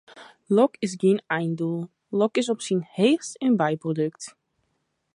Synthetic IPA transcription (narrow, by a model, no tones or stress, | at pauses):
lɔkɪs̬ɡinɛjndulˠ | lɔkɪs̬ɔpsinheːxsənbajprodøkt